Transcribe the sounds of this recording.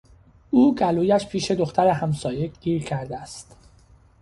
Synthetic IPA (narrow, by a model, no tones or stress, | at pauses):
ʔuːɡæluːjæʃpʰiːʃe̞d̪oxt̪ʰæɾehæmsɒːje̞ɡ̥iːɾcʰæɾd̪eæst̪